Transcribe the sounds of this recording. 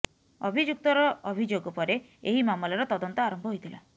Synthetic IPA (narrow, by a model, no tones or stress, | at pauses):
ɔbʱid͡ʒuk̚t̪ɔɾɔːbʱid͡ʒoɡɔpɔɾe | eɦimamɔlɔɾɔt̪ɔd̪ɔnt̪ɔaɾɔmbʱɔɦojt̪ʰila